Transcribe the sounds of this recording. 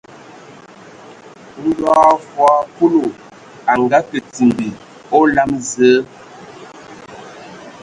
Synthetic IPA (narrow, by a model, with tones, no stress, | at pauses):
n̩˦dwa˦fwa˦pu˦lo˨ | a˨ŋɡa˦kə˨ti˨mbi˨ | ɔ˦la˦mzəː˨˦